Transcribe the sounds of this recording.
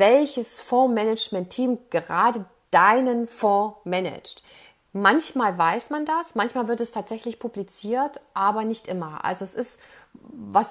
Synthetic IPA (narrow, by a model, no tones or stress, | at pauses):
vɛlçəsfɔɐmɛnɛd͡ʒmɛntʰːiːmɡ̥əʁaːdə | d̥aɪnənfɔmɛnɪ̰t͡ʃt | mançmaːlvaɪsmandasmançmaːlvɪɐtɛstʰaːtz̥ɛçlɪçpʰublit͡siːɐtʔaːbɐnɪçtʔɪmɐʔa̰lzoɛsɪst | vas